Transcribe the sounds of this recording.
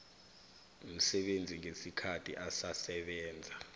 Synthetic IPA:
um̩sɛɓend͡zʱiŋʱesikʰatʰḭʔasasɛɓɛːnd͡zʱa

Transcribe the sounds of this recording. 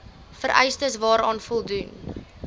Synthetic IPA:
fəɾʔɛ̰jstəsvɑːɾɑːnfɔlˠdun

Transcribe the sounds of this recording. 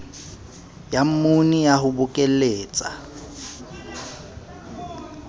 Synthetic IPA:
jam̩munijaɦʊbʊkʼel̩eːt͡sʼa

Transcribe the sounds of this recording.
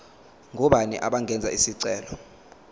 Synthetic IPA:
ŋʱuɓanḭʔaɓaŋɡʱɛnd͡zʱaisiǀɛːlɔ

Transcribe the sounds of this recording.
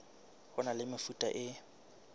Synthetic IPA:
hʊnalɪmɪfutʼa̰ʔɪ

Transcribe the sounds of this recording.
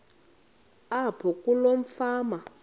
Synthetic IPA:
apʰɔkʼuloɱ̩faːma

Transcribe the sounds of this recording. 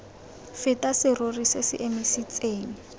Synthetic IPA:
fɪtʼasɪrorisɪsɪ̰ʔemisit͡sʼeːŋ̩

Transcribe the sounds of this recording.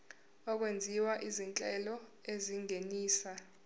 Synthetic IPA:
ɔk̬wend͡zʱiwaʔizint͡ɬʼɛlɔeziŋeniːsa

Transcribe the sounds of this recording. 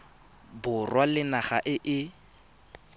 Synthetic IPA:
bʊrwalɪnaχaʔɪʔɪ

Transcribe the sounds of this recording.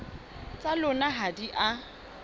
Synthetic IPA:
t͡sʼalʊnaɦadiʔa

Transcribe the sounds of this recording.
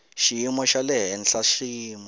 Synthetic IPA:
ʃijimɔʃalɛɦɛnɬaʃijiːmɔ

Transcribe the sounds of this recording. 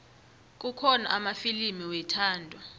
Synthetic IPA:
k̬ʼukʰɔna̰ʔamafilimiwɛtʰaːndʱɔ

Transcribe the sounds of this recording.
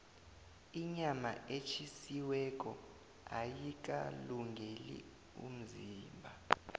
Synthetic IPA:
iɲamaet͡ʃʰisiwɛk̬ʼɔ | ajik̬ʼaluŋɡʱelḭ | ṵm̩ziːmbʱa

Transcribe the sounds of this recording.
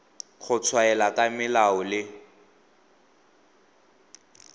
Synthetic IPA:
k͡xʰʊt͡sʰwaɛlakʼamɪlaɔlɪ

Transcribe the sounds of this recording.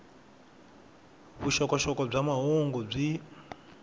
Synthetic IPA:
βuʃɔkɔʃɔkɔb͡ʐamaɦɔŋɡɔb͡ʐi

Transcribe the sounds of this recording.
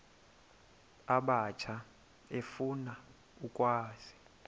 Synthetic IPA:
aɓat͡ʃʰa | efuna | ukʼwaːz̥i

